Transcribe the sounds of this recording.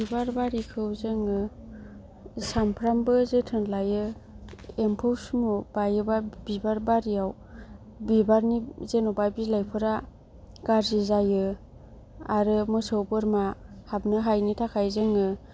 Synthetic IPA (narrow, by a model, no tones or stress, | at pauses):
bibaɾbaɾikʰɯwzɯŋɯ | sampʰɾambɯzetʰɯnlajɯ | empʰɯwsumob̥ajɯbabibaɾbaɾiaw | bibaɾnizenobabilajpʰɯɾa | ɡ̥aɾzizajɯ | aɾɯmɯsɯwbɯɾmahab̚nɯɦajnitʰakʰajzɯŋɯ